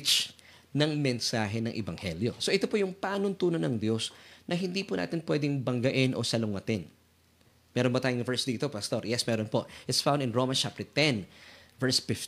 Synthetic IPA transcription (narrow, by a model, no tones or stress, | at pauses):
t͡ʃ | nɐŋmɛnsaːɦɛnɐŋʔɪbɐŋhɛljo̞̰so̞ʔɛt̪opojʊŋpaːnʊnt̪uːnɐnɐŋd̪jo̞snɐɦɪnd̪ipʊna̰ːt̪ɪnpwɛd̪ɪŋbɐŋɡɐʔɪnʔo̞̰sɐlʊŋɐt̪ɪn | mɛːɾonbɐt̪aːjʊŋvɛɹsd̪iːt̪o̞pɐst̪oɹjɛsmɛɾonpo̞ʔɪt̪sfãw̃nd̪ɪnɹoːmɐnt͡ʃap̚t̪ɛɹt̪ɛnvɛɹsfɪf